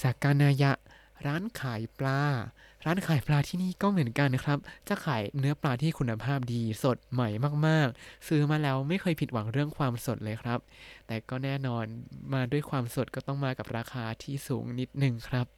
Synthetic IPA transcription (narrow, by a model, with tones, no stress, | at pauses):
t͡ɕaː˨˩kːa˧nʔaː˧ja˦˥ʔ | ɾaː˦˥nkʰaː˩˦jplaː˧ | ɾaː˦˥nkʰaː˩˦jplaː˧t̪ʰiː˥˩niː˥˩kɔː˥˩mɯ˩˦ənka˧nkʰɾa˦˥p̚t͡ɕa˧˩kʰaː˩˦jnɯ˦˥ɐplaː˧t̪ʰiː˥˩kʰu˧nːa˧pʰaː˥˩p̚diː˧so˨˩t̪̚ma˨˩jmaː˥˩k̚maː˥˩k̚sɯː˧maː˧lɛː˦˥wma˥˩jkʰɤː˧jpʰi˨t̪̚wa˩˦ŋɾɯ˥˩əŋkʰwaː˧mso˨˩t̪̚lɤː˧jkʰɾa˦˥p̚t̪ɛː˨˩kɔː˥˩nɛː˥˩nɔː˧nmaː˧du˥˩əjkʰwaː˧mso˨˩t̪̚kɔː˥˩t̪ɔ˥˩ŋmaː˧ka˨˩p̚ɾaː˧xʰaː˧t̪ʰiː˥˩suː˩˦ŋni˦˥t̪̚nɯ˨˩ŋkʰɾa˦˥p̚